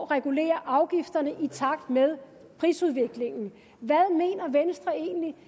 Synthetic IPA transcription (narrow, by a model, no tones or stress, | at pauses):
ʁɛɡ̥ule̝̰ːɐʔɑ̈ʊɡ̥ifd̥ɐnəʔit͡sʰɑ̈ɡ̥̚d̥með̞ˠ | pʰʁḭːsuð̞ˠʋe̝ɡ̥le̝ŋn̩ | ʋæðˠme̝̰ːnɐʋensd̥ʁɐe̝̰ːnli